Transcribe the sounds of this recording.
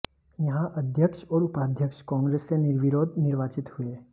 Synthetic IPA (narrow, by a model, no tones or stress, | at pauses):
jɐɦãʔɐd̪ʱjəkʃɔːɾʊpaːd̪ʱjəkʃkɔ̃ːŋɡɾeːsːenɪɾʋɪɾoːd̪nɪɾʋaːt͡ʃɪt̪hʊe